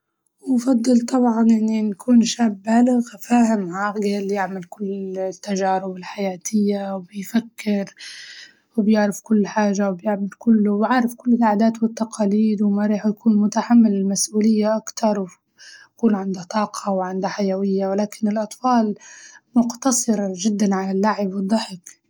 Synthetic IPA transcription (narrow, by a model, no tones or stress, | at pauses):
wfɑd̪ˤːɨlt̪ˤɑbʕɑnʔɪnːinkʰuːnʃaːbːaːlɪɣfaːhɪmʕaːɡaljɪʕmɪlkʊlːt̪ːaʒaːɾɪbɪlħajaːt̪ʰɪjːawbɪjfakːɪɾ | wbjɪʕɾɪfkʊlːħaːʒawbjɪʕmɪlkʊlːʊbʕaʕɾˤɪfkʊlːɪlʕaːd̪aːt̪wɪt̪ːɑqɑːliːd̪wmaɾˤiːħjakuːnmʊt̪aħamːɪlɪlmasʔuːlɪjːaʔakt̪ɑɾˤw | akuːnʕɪnd̪at̪ˤɑːqʰɑwʕɪnd̪aħajawɪjːawɪlaːkɪnɪlʔɑt̪ˤfɑːlmʊqt̪ɑsˤɨɾʒɪd̪ːanʕalalːaʕɪbwɨd̪ˤːɑħɪk